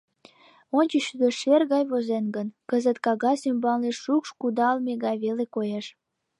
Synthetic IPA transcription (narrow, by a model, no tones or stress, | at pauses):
onʲt͡ɕəʃyd̪əʃerɣɑjβozenɡənkəzət̪kɑɣɑsymbɑlneʃːukʃkud̪ɑlmeɣɑjβelekojeʃ